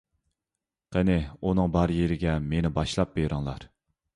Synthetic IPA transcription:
qʰənɪunɨŋbɑɾjeɾɪɡʲɛmenɪbɑʃlˠɑp̚beɾɨŋlˠɑ̰ɾ

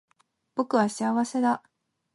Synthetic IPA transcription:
b̥o̞kɯ̟βaɕiaβase̞d̪a

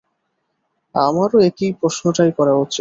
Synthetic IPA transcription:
a̰maɾoekipɾoʃnoʈajkɔɾaɦotːɕʰe

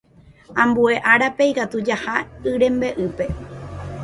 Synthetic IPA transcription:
ãmbue̞ʔaɾape̞jkat̪ud͡ʒahaɨɾẽ̞mbe̞ʔɨpe̞

